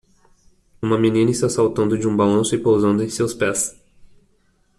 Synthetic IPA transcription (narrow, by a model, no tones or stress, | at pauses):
ũmɐminĩnɐɪst̪asawt̪ɐ̃nd̪ʊd͡ʒɪũbalɐ̃nsʊɪpowzɐ̃nd̪ʊẽj̃sewspɛs